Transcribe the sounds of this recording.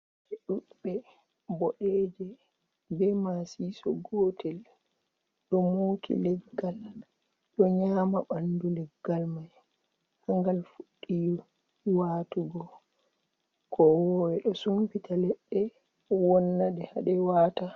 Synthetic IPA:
ɛɗuɓɛ | bɔɗɛd͡ʒɛ | bɛmasisɔ̰ɡɔtʰɛl | ɗɔmuːkḭlɛɡːal | ɗɔɲaːmaɓandulɛɡːalmaj | haŋɡalfuɗːijɔ | waːtuɡɔ | kʰɔwɔwɛɗɔsumpitalɛɗːɛ | wɔnːadɛhaɗɛwaːta

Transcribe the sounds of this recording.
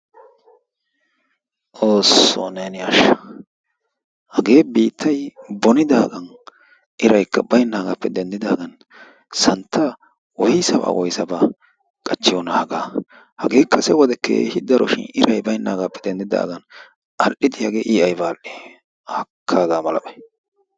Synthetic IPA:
ʔoːsːo̰nenɪɐʃ | hɐɡe̞ːbiːt̪ʰːɐjbɔnɪd̪aːɡɐn | ʔɪɾɐjkːɐbɐjnːaːɡapːɛd̪ɛnd̪ɪd̪aːɡɐn | sɐnt̪ːɐ | wɔjɪsɐba̰wʔɔjsɐba | kʼɐt͡ʃːɪjoːnːɐhɐɡaː | hɐɡe̞ːkːɐsɛwɔd̪ɛkːḛhɪd̪ɐɾɔ̰ʃɪ̰nɪɾɐjbɐjnːaːɡapːɛ̥d̪ɛnd̪ɪd̪a̰ːɡɐn | ʔɐlʔɪd̪ɪhɐɡeːʔiːɐjbaːlʔe | hɐkʰːaːɡaːmɐlɐbɐj

